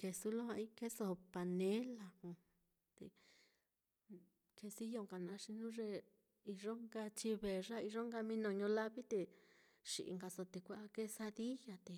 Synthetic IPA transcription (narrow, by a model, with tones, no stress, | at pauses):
ke˧su˧lõ˦a˧i˦ke˦so˧˨˧pa˧nẽ˦la˧hũ˧ | t̪ḛ˧˨ | kʰe˧si˦jo˧˨ŋka˨nã˧ʂi˧nũ˦ʐe˧ | i˧ʐo˦ŋɡa˧t͡ʃi˧βe˨ʐa˦i˧ʐo˦ŋɡa˧mĩ˧nõ˧˨ɲõ˧la˦βi˦t̪e˧ | ʂi˨ʔḭ˧˨ŋɡa˧so˧t̪e˧kʷa˧a˧ke˦sa˧ði˦ja˧t̪e˨